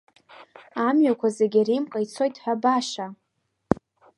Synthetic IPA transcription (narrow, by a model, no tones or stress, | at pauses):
amɥakʷʰazeɡʲirimqʼajt͡sʰo̞jtʼħʷᶣabaʂa